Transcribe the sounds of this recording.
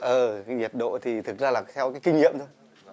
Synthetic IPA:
ʔəː˨˩ɲi˨˩p̚ɗo̰˧˨t̪ʰi˨˩t̪ʰɨ˨˩k̚zaː˧laː˨˩t̪ʰɛ˧wkaː˨˦jkï˧ŋɲḭ˧˨əmt̪o˧j

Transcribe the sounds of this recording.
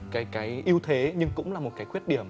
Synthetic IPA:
kaː˨˦jkaː˨˦jʔi˧əwt̪ʰe˨˦ɲɨ˧ŋkʊ̰˧˥ŋ͡mlaː˨˩mo˨˩t̚kaː˨˦jkwət̚ɗi˧˩əm

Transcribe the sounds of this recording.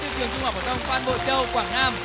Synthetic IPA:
ɨ̰˧˨t͡ɕɨ˨˩əŋt͡ɕʊ˧ŋ͡mhaː˨˧˩ftʰə˧wŋ͡mfwaː˧nɓo̰˧˨t͡ɕə˧wkwaː˧˩ŋnaː˧m

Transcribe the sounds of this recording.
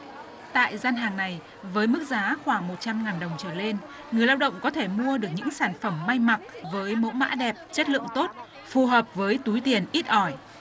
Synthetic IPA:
t̪a̰ː˧˨jzaː˧nɦaː˨˩ŋna˨˩j | vəː˨˦jmɨ˦˥k̚zaː˨˦xwaː˧˩ŋmo˨˩t̚t͡ɕa˧mŋaː˨˩nɗə˨˩wŋ͡mt͡ɕəː˧˩le˧n | ŋɨ˨˩əjlaː˧wɗə̰˧˨wŋ͡mkɔ˨˦t̪ʰe˧˩mu˧əɗɨ˨˩ək̚ɲɨ̰˧˥ŋsaː˧˩nfə˧˩mːa˧jma˨˩k̚vəː˨˦jmo̰˧˥ma̰ː˧˥ɗɛ˨˩p̚t͡ɕə˦˥t̚lɨ̰˧ə˨ŋt̪o˦˥t̚ | fu˨˩ɦəː˨˩p̚vəː˨˦jt̪u˨˦jt̪i˨˩ənʔi˦˥t̚ʔɔ˧˩j

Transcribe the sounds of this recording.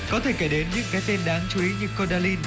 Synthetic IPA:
kɔ˨˦t̪ʰe˧˩ke˧˩ɗe˨˦nɲɨ̰˧˥ŋkaː˨˦jt̪e˧nɗaː˨˦ŋt͡ɕu˨˧˦ʔi˨˦ɲɨ˨˧˩kːo˧ɗaː˧li˧n

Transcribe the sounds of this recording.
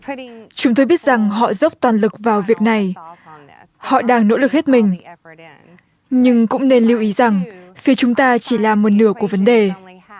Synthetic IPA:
t͡ɕʊ˨˦ŋ͡mt̪o˧jɓi˦˥ət̚z̥a˨˩ŋɦɔ̰˧˨zə˦˥wk͡p̚t̪waː˨˩nlɨ˨˩k̚vaː˨˩wvi˨˩ək̚na˨˩j | hɔ̰˧˨ɗaː˧ŋno̰˧˥lɨ˨˩k̚he˦˥t̚mï˨˩ŋ̟ | ɲɨ˧ŋkʊ̰˧˥ŋ͡mne˧nli˧wʔi˨˦za˨˩ŋfi˨˦ət͡ɕʊ˨˦ŋ͡mt̪aː˧t͡ɕi˧˩laː˨˩mo˨˩t̚nɨ˧˩əku˧˩əvə˨˦nɗe˨˩

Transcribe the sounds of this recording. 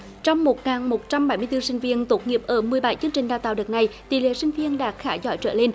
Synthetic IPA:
t͡ɕɔ˧wŋ͡mmo˨˩t̚ŋaː˨˩nmo˨˩t̚t͡ɕa˧mɓa˧˩jmɨ˧əjt̪ɨ˧sï˧ŋ̟vi˧ənt̪o˨˦˥t̚ŋi˨˩əp̚ʔəː˧˩mɨ˨˩əjɓa˧˩jt͡ɕɨ˧əŋt͡ɕï˨˩ŋ̟ɗaː˨˩t̪a̰ː˨wɗɨ˨˩k̚na˨˩jt̪ḭ˧˩˨lḛ˧˨˦sï˧ŋ̟vi˧ənɗa̰ː˧˥kxaː˧˩zɔ˧˦t͡ɕə̰ː˧˩le˧n

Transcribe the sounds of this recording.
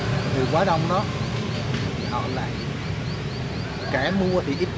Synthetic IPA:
t̪ʰɨ˨˩kwaː˨˦ɗa˧wŋ͡mnɔ˨˦ | t̪ʰi˨˩ʔɔ̰˧˩la̰ː˧˨j | kaː˧˩mu˧ət̪ʰi˨˩ʔi˦˥p̚

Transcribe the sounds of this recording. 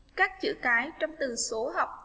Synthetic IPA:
kaː˦˥k̚t͡ɕɨ̰˧˥˨kaː˨˦jt͡ɕɔ˧wŋ͡mt̪ɨ˨˩so˨˦ɦɔ˨˩wk͡p̚

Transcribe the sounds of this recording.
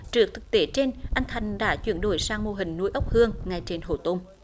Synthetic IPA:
t͡ɕɨ˨˩ək̚t̪ʰɨ˨˩k̚t̪e˨˦t͡ɕe˧nʔa˧jŋ̟t̪ʰa˨˩jŋ̟ɗa̰ː˧˥t͡ɕwḭ˧˩ənɗo̰˧˩jsaː˧ŋmo˧ɦï˨˩ŋ̟nu˨˦əjʔə˦˥k͡p̚hɨ˧əŋŋa˨˩jt͡ɕe˧nɦo̰˧˨˩t̪o˧m

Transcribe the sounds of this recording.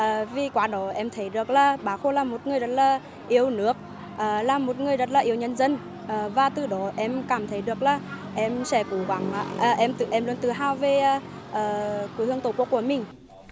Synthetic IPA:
ʔəː˨˩vi˨˩kwaː˨˦ɗɔ˨˦ʔɛ˧mt̪ʰə˨˦jɗɨ˨˩ək̚laː˨˩ɓaː˨˦xo˧laː˨˩mo˨˩t̚ŋɨ˨˩əjzə˨˦˥t̚laː˨˩ | ʔi˨˧˦əwnɨ˨˦˥ək̚ | ʔəː˨˩laː˨˩mo˨˩t̚ŋɨ˨˩əjzə˦˥t̚laː˨˩ʔi˨˦əwɲə˧nzə˧n | ʔəː˨˩vaː˨˩t̪ɨ˨˩ɗɔ˨˦ʔɛ˧mkaː˧˩mt̪ʰə˨˦jɗɨ˨˩ək̚laː˨˩ʔɛ˧msɛ˧˩ku˧˦ɣwa˨˩˦ŋʔa̰˧ʔəː˨˩ʔɛ˧mt̪ɨ˧˩ʔɛ˧mlu˧ənt̪ɨ˨˩ɦaː˧wve˨˩ʔ | ʔəː˧˩ku˧˨˦hɨ˧əŋt̪o˧˩ku˧˦əku˧˩əmï˨˩ŋ̟

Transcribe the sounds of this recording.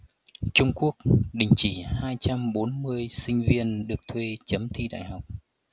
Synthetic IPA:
t͡ɕʊ˧ŋ͡mku˦˥ək̚ɗï˨˩ŋ̟t͡ɕi˧˩haː˧jt͡ɕa˧mɓo˨˦nmɨ˧əjsï˧ŋ̟vi˧ənɗɨ˨˩ək̚t̪ʰwe˧t͡ɕə˨˦mt̪ʰi˧ɗa̰ː˧˨jɦa˨˩wk͡p̚

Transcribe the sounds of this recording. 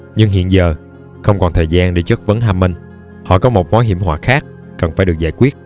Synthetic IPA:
ɲɨ˧ŋɦḭ˧˨ənzəː˨˩ | xə˧wŋ͡mkɔ˨˩nt̪ʰəː˨˩jzaː˧nɗe˧˩t͡ɕə˦˥t̚və˨˦nɦaː˧mə˧ŋ | hɔ̰˧˨kɔ˨˦mo˨˩t̚mwaː˨˦ɦi˧˩əmɦwa̰ː˧˩xaː˦˥k̚ | kə˨˩nfaː˧˩jɗɨ˨˩ək̚zaː˧jkwi˦˥ət̚

